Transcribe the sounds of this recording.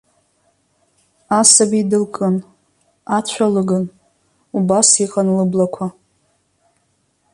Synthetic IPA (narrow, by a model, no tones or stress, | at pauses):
asabidɨlkʼɨn | at͡ɕʷʰalɨɡɨn | ubasiqʼanlɨblakʷʰa